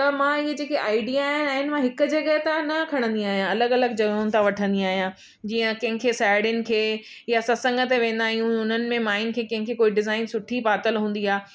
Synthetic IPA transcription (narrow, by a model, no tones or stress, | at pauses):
t̪ɐmãɪɦed͡ʑeːkeʔaːɪɖijaːɦɪnaːɦɪnɪ̆mãɦɪkʊ̆d͡ʑɐɡəɦt̪ãnɐkʰɐɽ̃ə̃nd̪iaːɦijãɐləɡɐləɡ̚d͡ʑɐɡʊnɪt̪ʰãʋɐʈʰə̃nd̪iaːɦijã | d͡ʑiːə̃kɐ̃ɦɪ̃kʰesaːɽɪnɪ̆kʰeː | jasɐsɐ̃ŋɡət̪̬eʋẽːnd̪aːɦijũʊn̤ənɪ̆mẽmaːɪn̆kʰeːkɐ̃ɦɪ̃ŋkʰeːkoːiɖɪzaːɪnsʊʈʰipaːt̪əlɦũːnd̪iaː